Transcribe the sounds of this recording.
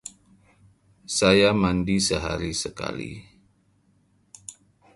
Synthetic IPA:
sajamandisəɦa̰ɾisəka̰lḭ

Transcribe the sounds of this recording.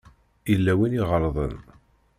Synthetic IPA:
ilːæwiniʁəɾˤðˤə̰n

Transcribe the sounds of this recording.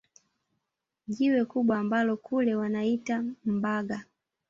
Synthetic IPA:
ʄiwɛkuɓwaːmbalɔkʰulɛwanaitam̩baɡa

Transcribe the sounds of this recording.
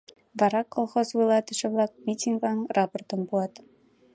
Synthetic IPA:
ʋɑɾɑkːolˠχosvɯlˠɑt̪ɘ̆ʂɘ̆vlˠɑk̚mʲitʲiŋɡɑnrɑport̪ɤ̆nbulˠɑt̪

